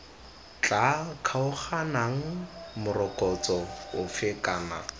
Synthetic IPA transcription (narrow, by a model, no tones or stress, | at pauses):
t͡ɬʼakʰaʊχanaŋ̩mʊrɔkʼɔt͡sʼɔʊfɪkʼaːna̰